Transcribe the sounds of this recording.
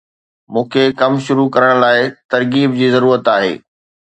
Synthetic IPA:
mũːkʰekɐmʃʊɾukɐɾəɽ̃laːɪt̪ɐɾkiːbd͡ʑiːzɐɾuːɾət̪aːɦḛː

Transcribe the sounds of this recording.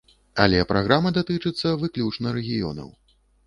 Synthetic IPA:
a̰lʲɛpɾʔaɣɾamɐd̪at̪ɨt͡ʂɨt̪sːɐvɨklʲut͡ʂnɐɾɛɣʲijɔ̰nɐ̰w

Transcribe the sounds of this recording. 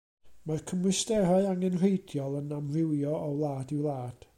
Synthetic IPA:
markʰəmwɨstɛɾaɨaŋɛnr̥ejdjɔlˠənamrɪwjɔɔwlˠaːdiwlˠaːd̥

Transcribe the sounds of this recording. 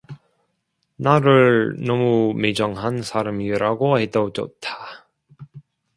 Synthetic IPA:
naɾɯɭnʌmumed͡ʑʌŋɦansʰaɾamiɾaɡohedʌd͡ʑʌ̰t̚t͈ʰḁ

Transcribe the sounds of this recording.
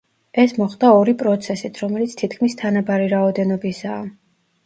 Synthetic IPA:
ɛsmɔχd̪aɔɾipʼɾɔt̪sʰɛsit̪ʰɾɔmɛlit̪sʰt̪ʰit̪̚ʰkʰmist̪ʰanabaɾiɾaɔd̪ɛnɔbisaː

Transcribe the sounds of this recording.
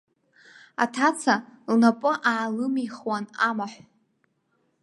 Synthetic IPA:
a̰tʰat͡sʰalnapʼɨʔaːlɨmiχwanamaħʷ

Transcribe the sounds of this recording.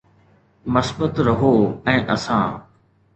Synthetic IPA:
məsbət̪ɾɐɦoːɛ̃ːʔɐsãː

